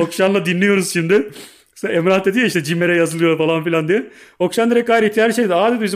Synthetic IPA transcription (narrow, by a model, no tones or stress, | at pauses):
okʃanlˠad̪inlʲijo̞ɾuz̥ʃimd̪ɪ | ɛmɾat̪ed̪ijoiʃt̪ɛd͡ʒimeɾɛjazɯlˠɯjofalˠanfilʲand̪ijɛokʃand̪iɾɛk̚ːaːiɾit̪ʰʲijaiʃejd̪aːd̪ed̪biz